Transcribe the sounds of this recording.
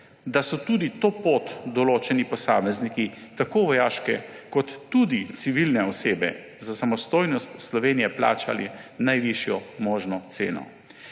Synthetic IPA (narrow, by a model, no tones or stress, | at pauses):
d̪asɔt̪ud̪it̪oːpoːt̪d̪ɔloːt͡ʃɛnipɔsaːmɛznikit̪akoːʋɔjaːʃkɛkɔt̪ːud̪it̪siʋilnɛɔseːbɛ̰ | zasamɔst̪oːjnɔst̪slɔʋeːnijɛpla̰ːt͡ʃa̰linajʋiʃjɔmoːʒnɔt̪sḛːnɔ̰